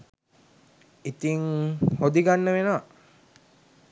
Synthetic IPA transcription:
it̪iŋhod̪iɡanːəʋena

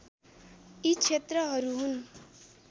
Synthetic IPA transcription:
it͡ʃʰet̪rʌɦʌɾuɦun

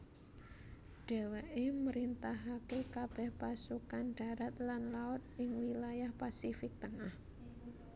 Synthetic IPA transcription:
ɖ̥ɛ̤wɛʔeməɾint̪aɦakekab̥ɛ̤hpasukanɖ̥ä̤ɾat̪lanlaʊt̪̚ɪŋwilajahpasifɪk̚t̪əŋah

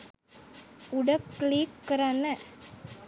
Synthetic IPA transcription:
uɖahklikːəɾana

